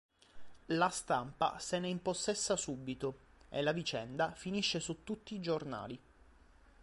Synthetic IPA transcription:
last̪ampa̰seneimposːesːasubːit̪o | ḛlavit͡ʃɛnd̪afiniʃːesut̪ːut̪ːiːd͡ʒorna̰ːli

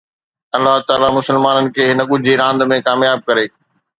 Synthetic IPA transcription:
ɐlːaɦt̪aːlamʊsəlmaːnənɪ̆kʰeːɦɪnəɠʊd͡ʑʱiɾãːnd̪mẽkaːmjaːb̚kɐɾeː

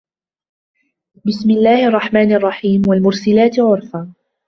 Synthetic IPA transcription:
bɪsmɪlːaːhʔɑrˤːɑħmaːnʔɑrˤːɑħiːmwalmʊɾsɪlaːt̪ʕʊɾfaː

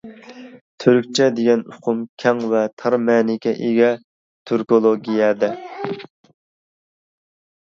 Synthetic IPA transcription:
t̪ʰøɾyk̚ʲt͡ʃʰɛd̪eɡʲɛnʊqʰʊmkʲʰɛŋvɛt̪ʰɑɾmɛnɪkʲʰɛʔeɡʲɛ | t̪ʰyɾkolˠoɡʲijɛd̪ɛ

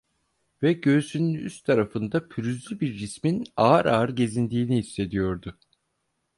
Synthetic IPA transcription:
vɛɟø̞ːsynyny̰st̪ʰaɾafɯnd̪apʰyɾyzlʲybiɾːisminaːɾʔaːɾɟe̞zind̪iːniɦisːe̞d̪ijo̞ɾd̪ʊ

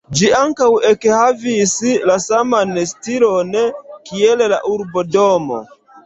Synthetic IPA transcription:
d͡ʒiaŋkawekhavislasamanstilo̞nkiella̰ʔuɾbo̞do̞mo̰

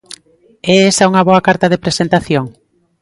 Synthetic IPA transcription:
ɛesauŋɐβoakaɾt̪ɐðepɾesent̪aθjoŋ

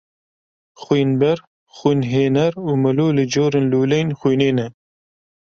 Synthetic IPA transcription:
xwiːnbɛɾ | xunɦeːnɛɾuːmɨloːlɨd͡ʒoːɾenluːlɛjnxiːjneːnɛ

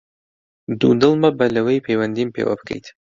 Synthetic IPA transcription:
d̪ṵd̪ɨlˠmɐbɐlɐwejpʰejwɐnd̪impʰḛwɐ̰bɨ̥kʰɐ̰jt̪ʰ

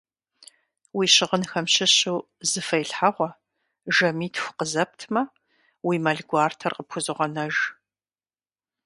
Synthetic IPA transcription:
wiːɕɪʁənxɐmɕɪɕuw | zɨfɐjɬħaʁʷɔ | ʒɐmiːtʰxʷʊ̥qəzɐp̚tʰmɐ | wiːmɐɮɡʷɑːrtʰɐrqəpxʰʷʊzɨʁɐnɐʒ

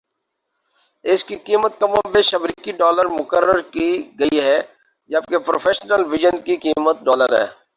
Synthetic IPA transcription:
ɪskikiːmət̪̚kɐmõbeʃɐbɾikiɖɔːləɾmʊkəɾəɾkiɡɐiɦɛː | d͡ʒəb̚kepɾo̰ːfʰeːʃnəlʋɪʒənkikiːmət̪̚ɖɔːləɾɦɛ̰ː

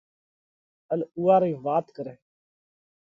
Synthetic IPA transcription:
əluːaːɾiːʋaːt̪kəɾeː

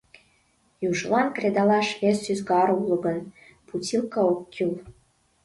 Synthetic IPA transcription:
juʒlɑnkred̪ɑlɑʃβesːyzɡɑɾuləɣən | put͡sʲilkɑokːyl

